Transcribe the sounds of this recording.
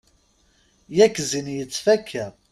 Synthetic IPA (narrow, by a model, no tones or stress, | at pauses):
jækːzinjət͡sːfækʰːæ